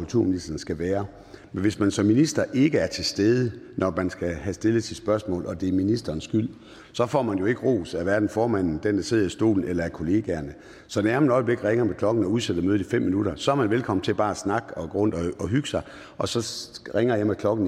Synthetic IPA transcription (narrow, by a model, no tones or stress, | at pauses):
ult͡sʰuɐminisd̥ɐn̩sɡ̥æʋæːɐ | menʋe̝smænsɒ̽mːinisd̥ɐʔe̝ɡ̥əæɐt͡sʰe̝sd̥eːð̞ˠənʔɒmænsɡ̥æɦæsd̥e̝ləsʰi̥sb̥ɶɐsmɔ̰ːlɒ̽d̥e̝æɐminisd̥ɐːnsɡ̥yl̰ | sɒ̽fɒ̰ːmænjo̝e̝ɡ̥əʁo̝̰ːsæʋæɐd̥n̩fɒːmæn̰n̩d̥end̥æ̈se̝ð̰ˠɐisd̥o̝̰ːln̩elɐæɐkʰo̝le̝ːɡ̥æɐnə | sɒ̽næɐmænɒ̽ɪəb̥le̝ɡ̥əʁeŋɐmekʰlɒ̽ɡ̥n̩ɒ̽uð̞ˠsed̥əmøːð̩ˠifem̰minud̥ɐsɒ̽æɐmænʋelkʰɒ̽mn̩t͡sʰe̝lb̥ɑ̈ːæsnɑ̈ɡ̥ɒ̽ɡ̥ʁɔ̽n̰d̥ɒɒ̽ɦyɡ̥sɑ̈ɪ | ʔɒ̽sɒ̽ʁeŋɐjɑmekʰlɒ̽ɡ̥n̩